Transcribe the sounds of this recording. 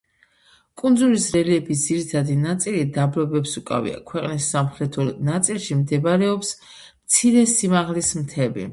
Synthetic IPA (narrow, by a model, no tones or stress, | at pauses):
kʼund̪zulisɾɛliɛbis̬d̪ziɾit̪ʰad̪inat̪sʼilid̪abɾɔbɛpsukʼa̰vḭa̰kʰwɛqʼnisːamχɾɛt̪ʰɔnat̪sʼilˠʃimd̪ɛbaɾɛɔps | mt̪sʰiɾɛsimaʁlismt̪ʰɛbḭ